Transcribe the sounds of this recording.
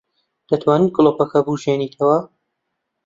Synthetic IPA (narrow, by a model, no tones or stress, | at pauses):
d̪̥ɐt̪ʰwaːnɨnɡʊlopɐkɐbuʒeːniːt̪ʰɐwɐ